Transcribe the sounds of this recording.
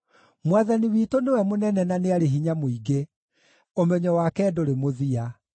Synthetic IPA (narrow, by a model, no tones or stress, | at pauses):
mwaðaniwiːtonewɛmonɛnɛnaneaɾeɦiɲamoiɡe | omɛɲɔwakɛːdoɾemoðia